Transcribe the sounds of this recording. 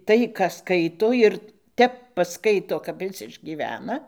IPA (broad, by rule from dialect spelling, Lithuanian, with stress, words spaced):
ˈtɐɪ kɑː ˈskɐɪtoː ˈɪr ˈtʲɛp pɐˈskɐɪtoː kɐp ˈɪs ɪʒʲɡʲiːˈʋʲæːnɐ